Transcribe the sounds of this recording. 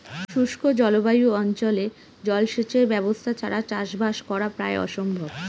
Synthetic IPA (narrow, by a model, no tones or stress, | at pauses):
ʃuʃkʰod͡ʑɔlobajuɔnt͡ɕole | d͡ʑɔlʃet͡ɕeɾbɛbost̪ʰat͡ɕʰaɾat͡ɕaʃbaʃkɔɾapɾa̰eɔ̰ʃombʱob